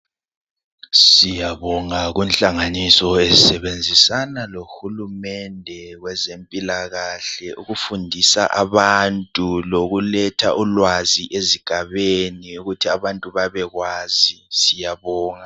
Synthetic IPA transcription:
sijaβɔŋaɣunɬʼaŋanisɔezisɛβend͡zʱisanaloxulumɛndʱɛɣwɛzempʼilaɣaɬɛʔuɣufundʱisa̰ʔaβantʼuloɣulɛtʰaʔulwaziʔeziɡ̥ʱaβeniuɣutʰiaβantʼuβaβɛɣwaːzisijaβɔːŋa

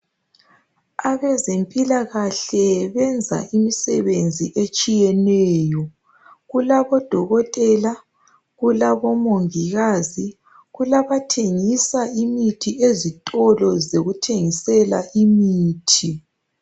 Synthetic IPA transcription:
aβɛzempʼilaɣaɬɛβɛnd͡zʱa̰ʔimisɛβend͡zʱiʔet͡ʃʼijɛnɛːjɔ | ɣulaβɔd̥ʱɔɣɔtʼɛla | ɣulaβɔmoŋiɣazi | ɣulaβatʰeŋisaimitʰiʔezitʼɔlɔzeɣutʰeŋisɛlaʔimiːtʰi

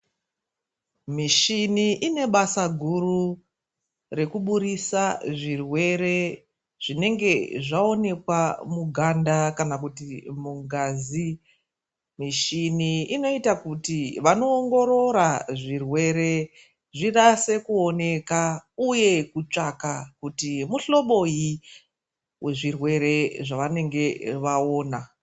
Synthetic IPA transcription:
miʃiniʔine̞ɓasaɡʱuru | re̞kuɓuɾisaʐirwe̞ɾe | ʐ̥ine̞ŋɡe̞ʐao̞ne̞kwamuɡʱandakanak̬utimuŋɡaːzi | miʃiniino̞itakutiʋano̞ːŋɡo̞ɾo̞ɾaʐirwe̞ɾe̞ | ʐirase̞kuo̞ne̞kauje̞kut͡ʂakakutimuɬo̞ɓo̞ji | we̞ʐirwe̞ɾe̞ʐaʋane̞ŋɡe̞ʋao̞ːna

